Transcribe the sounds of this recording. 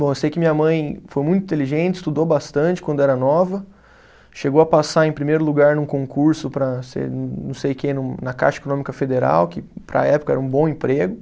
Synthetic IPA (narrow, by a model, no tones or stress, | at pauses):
bõewsejʊkɪmĩɲɐmɐ̃j̃fojmũj̃t̪ʊĩt̪eliʒẽnt͡ʃɪ̥st̪ud̪owbast̪ɐ̃nt͡ʃɪkwɐ̃nd̪ʊɛɾɐnɔvɐ | ʃeɡowɐpasaẽj̃pɾimejɾʊluɡaɾnũkõkuɾsʊpɾɐsḛɾnɐ̰̃w̃sejkenʊ̃nɐka̰ʃɐe̥konõmikɐfed̪eɾa̰wkɪpɾɐ̰ɛpʊkɐɛɾɐũbõw̃ẽpɾeɡʊ